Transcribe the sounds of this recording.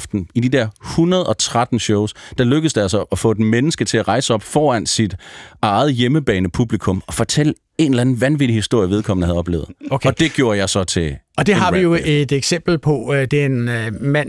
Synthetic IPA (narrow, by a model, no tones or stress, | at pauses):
fd̥n̩id̥id̥ɛɐ̰hunɐð̞̩ˠɒ̽t͡sʰʁad̥n̩ɕɔʊsd̥ɑ̈løɡ̥əð̩ˠsd̥eælsɒʔɒfɔ̰ed̥menəsɡ̥ət͡sʰe̝æʁɑ̈ɪsəɒ̽b̥fɒːæn̰sid̥ɑ̈ɪð̞̩ˠjeməb̥ɛ̰ːnəpʰub̥likʰɔ̽mɒ̽fɒ̽t͡sʰelə | e̝nlæn̩ʋænʋid̥ihisd̥o̝ɐ̰jəʋe̝ð̞ˠkʰɒ̽m̰n̩əhæð̩ˠɒ̽b̥lḛːʊð̩ˠkʰɒd̥e̝ɡ̥jo̝ːɐjɑ̈ɪsɒ̽t͡sʰe̝ɒd̥e̝ɦɑ̈ʋijoed̥eɡ̥sem̰b̥l̩pʰɒ̽d̥enmæn